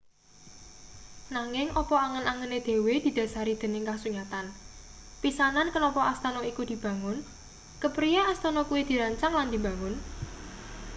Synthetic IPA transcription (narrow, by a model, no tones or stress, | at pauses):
naŋɪŋʔɔpɔaŋənaŋəned̪̥e̤wed̪̥i̤d̪̥ä̤saɾid̪̥ə̤nɪŋkasuɲat̪an | pisanankənɔpɔʔast̪anɔikud̪̥i̤b̥ä̤ŋʊn | kəpɾijaast̪ɔnɔkuwid̪̥i̤ɾaɲt͡ʃaŋland̪i̤bä̤ŋʊn